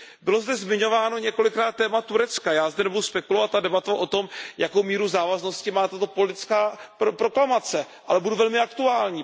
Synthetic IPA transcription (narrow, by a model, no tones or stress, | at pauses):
bɪlo̞zdɛzmɪɲo̞vaːno̞ɲɛko̞lɪkɾaːt̪̚ːɛːmat̪uɾɛt͡skajaːzdɛnɛbuduspɛkulovat̪ːadɛbat̪oʔo̞t̪o̞mjako̞wmiːɾuzaːvazno̞scɪmaːt̪at̪o̞polɪt̪ɪt͡skaːpopɾo̞klamat͡sɛ | ʔa̰lɛbuduvɛlmɪakt̪uaːlɲiː